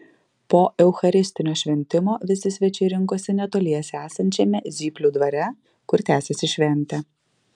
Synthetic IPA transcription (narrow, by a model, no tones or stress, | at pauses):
poːʔɛʊxɐɾʲɪsʲt̪ʲɪnʲoːʃʲʋʲɛnʲt̪ʲɪmoːʋʲɪsʲɪsʲʋʲɛt͡ʃʲɛɪɾʲɪŋˑkoːsʲɛnʲɛt̪oːlʲiɛɛsʲæːsɐnʲt͡ʃʲɛmʲɛzʲiːpʲlʲuːd̪ʋɐɾʲɛ | kʊɾt̪ʲæːsʲɛsʲɪʃʲʋʲɛnʲt̪ʲɛ